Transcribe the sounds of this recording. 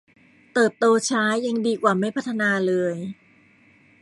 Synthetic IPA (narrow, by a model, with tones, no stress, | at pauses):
t̪ɤː˨˩t̪ːoː˧t͡ɕʰaː˦˥jːa˧ŋdiː˧kwaː˨˩ma˥˩jpʰa˦˥t̪ʰːa˧naː˧lɤː˧j